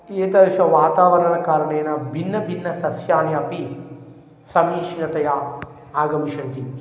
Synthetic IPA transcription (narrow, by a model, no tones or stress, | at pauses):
eːt̪ɐɾʃɐʋaːt̪aːʋɐɾɐɳɐkaːɾɐɳeːnɐbʱinːɐbʱinːɐsɐsjaːnjɐɐpi | sɐmiːʃinɐt̪ɐja | aːɡɐmiʃɐnt̪i